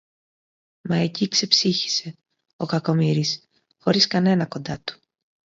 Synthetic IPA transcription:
mɐecikse̞psiçi̥se̞ | o̞kɐko̞miɾis | xo̞ɾiskɐne̞nɐko̞nd̪ɐt̪u̥

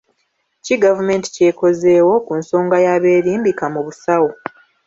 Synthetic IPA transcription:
ciɡavume̞ːnti̥ce̞ːko̞ze̞ːwo̞kunso̞ːŋɡajaβe̞ːɾiːmbikamuβusawo

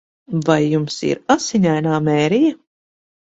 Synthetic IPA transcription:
vajːumsḭɾasiɲajnaːmɛːɾija

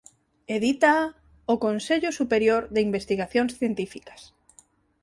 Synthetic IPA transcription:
eðit̪a | okonseʎʊsupeɾjoɾðeimbest̪iɣaθjonsθjent̪ifikḁs

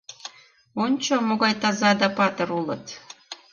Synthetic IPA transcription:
unʲt͡ɕomoɣɑjt̪ɑzɑd̪ɑpɑt̪ɤ̆ɾulɤ̆t̪

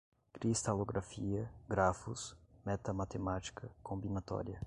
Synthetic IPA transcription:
kɾist̪aloɡɾʔafiɐɡɾafusmɛt̪ɐmat̪emat͡ʃi̥kʰɐkõmbinat̪ɔ̰ɾjɐ

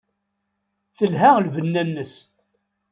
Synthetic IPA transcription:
θəlɦælvənːænːəs

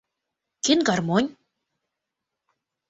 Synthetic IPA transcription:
kenɡarmonʲ

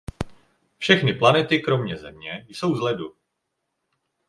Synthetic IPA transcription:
fʃɛxnɪplanɛt̪ɪkɾo̞mɲɛzɛ̰mɲɛjso̞wzlɛdu

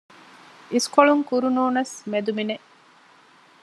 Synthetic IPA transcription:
iskoɭuŋkuɾunuːnɐsmed̪umine

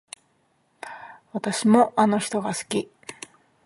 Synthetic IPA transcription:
βat̪aɕimo̞ʔano̞çi̥t̪o̞ɡasɨ̥kʲi

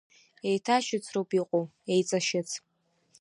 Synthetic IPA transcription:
ejtʰaʃɪt͡sʰrowpʼiqʼowejt͡sʼaʃɪt͡sʰ

